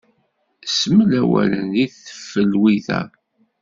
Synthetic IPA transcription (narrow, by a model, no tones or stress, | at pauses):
səməlæwælənðiθə̥fːəlwiθæ̰